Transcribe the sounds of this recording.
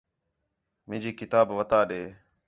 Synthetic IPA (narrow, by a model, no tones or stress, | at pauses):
mɪ̃ːd͡ʑiːkɪt̪aːbʋət̪aːɗeː